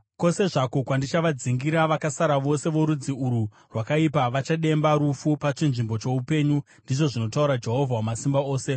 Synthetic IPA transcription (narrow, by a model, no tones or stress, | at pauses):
ko̞se̞ʐako̞kwandit͡ʃaʋad͡ziŋɡiɾaʋakasaɾaʋo̞se̞ʋo̞ɾud͡ziuɾu | rwakaipaʋat͡ʃaɗe̞mbaɾufupat͡ʃinʐimbo̞t͡ʃe̞upe̞ɲu | ndiʐo̞ʐino̞tauɾad͡ʒe̞ɦo̞vʱawamasimbao̞ːse̞